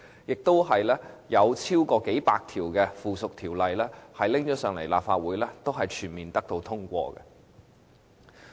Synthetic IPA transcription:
jɪ˨k̚t̪o˥wɦɐ˨jlɛː˥jɐ˨˧wt͡sʰiː˥wkɔː˧ke˨˥jpaː˧k̚t̪ʰiː˨˩wkɛː˧fuː˨sʊ˨k̚t̪ʰiː˨˩wlɐ˨jlɛː˥hɐ˨jlɪ˥ŋt͡ʃɔː˨˥sœː˨˧ŋle˨˩jlaː˨p̚faː˧t̚wuː˨˥jlɛː˥t̪o˥wɦɐ˨jt͡ʃʰyː˨˩nmiː˨nt̪ɐ˥k̚t̪o˧wt̪ʰʊ˥ŋkʷɔ̰ː˧kɛ̰˧

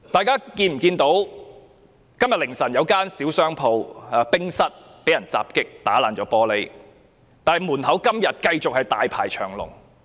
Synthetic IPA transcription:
t̪aː˨jkaː˥kiː˧nm̩˨˩kiː˧nt̪o˨˥w | kɐ˥mjɐ˨t̚lɪ˨˩ŋsɐ˨˩njɐ˨˧wkaː˥nsiː˨˥wsœː˥ŋpʰo˧waː˨˧pɪ˥ŋsɐ˥t̚ | pe˨˥jɐ˨˩nt͡sa̰ː˨p̚kɪ˥k̚t̪aː˨˥laː˨˩nt͡ʃɔː˨˥pɔː˧le˨˥j | t̪aː˨nhɐ˨jmuː˨˩nɦɐ˨˥wkɐ˥mjɐ˨t̚kɐ˧jt͡sʊ˨k̚hɐ˨jt̪aː˨jpʰa̰ː˨˩jt͡ʃʰœː˨˩ŋlʊ̰˨˩ŋ

